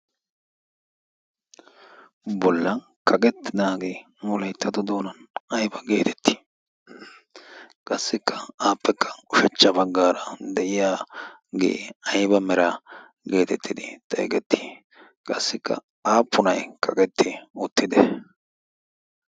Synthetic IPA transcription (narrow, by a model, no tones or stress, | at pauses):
bɔlːɐn | kʰɐkʼɛt̪ːɪnaːɡeː | mʊlɐjt̪ːɐt̪ʊd̪o̞ːnɐnɐjbɐɡeːt̪ʰɛ̥t̪ʰːi̥ | kʼɐsːɪkːɐaːpːɛkːɐ̥ʊʃɛt͡ʃːɐbɐɡːaːɾɐd̪ɛʔɪjaː | ɡḛːɐjbɐmɛɾa | ɡe̞ːt̪ɛt̪ʰːɪd̪ɪt̪ʼɐ̰jkʼɛt̪ːi̥ | kʼɐsːɪkʰːɐ̰ | aːpʰːʊnɐjkʰɐkʼɛt̪ːɪʊt̪ːɪd̪ɛ